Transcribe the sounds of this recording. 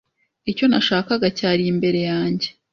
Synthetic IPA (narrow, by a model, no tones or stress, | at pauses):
ico̞naʃaːkaɡacaːɾiimbe̞ɾe̞jaːɲɟe̞